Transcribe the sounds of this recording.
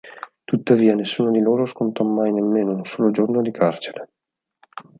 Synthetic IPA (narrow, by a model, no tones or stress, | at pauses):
t̪ut̪ːaviːanesːuːnod̪iloːɾoskont̪ɔmːajnemːeːnounsoːlod͡ʒornod̪ikʰart͡ʃeɾe